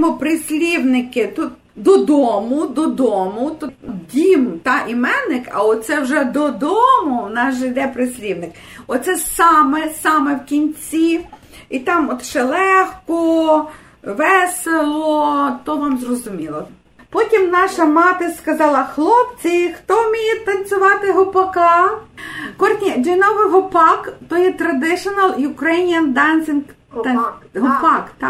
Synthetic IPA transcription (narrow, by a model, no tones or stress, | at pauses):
mɔpɾɪsʲlʲiwnɪkɪt̪ut̪̚ | d̪ɔd̪ɔmʊd̪ɔd̪ɔmʊt̪ɔdʲimt̪ɑʔimɛnɪkɐ̰ɔt̪t̪sɛwʒɛd̪ɔd̪ɔmʊnɑʒɪjd̪ɛpɾɪsʲlʲiwnɪk | ɔt̪sɛsɑmesɑmewkʲinʲt͡sʲi | it̪ɑmɔt̪ʃɛlˠɛxkɔ | ʋɛselˠɔt̪ɔʋɑmzrɔzʊmʲilˠɔ | pɔtʲimnɑʃɐmɑt̪ɪskɐzɑlˠɐxlˠɔpt͡sʲixt̪ɔmʲijet̪ɐnt͡sʲʊʋɑt̪ɪɦʊpɐkɑ | kɔrt̪ʲnʲid͡ʒenɔʋɪɦɔpɑkt̪ɔjɛt̪ɾɐd̪ɪʃɔnɐlˠjʊkɾɛnʲjɐnd̪ɑnsʲɪnk | ɦpɑk̪